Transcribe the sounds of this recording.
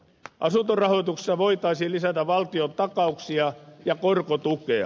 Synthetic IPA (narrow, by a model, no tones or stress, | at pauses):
ʔɑsunt̪orɑhoit̪ukse̥sːɑʋoit̪ɑisilisæt̪æʋʋɑlt̪iont̪ɑkɑuksiɑjɑkorkot̪ukeɑ̰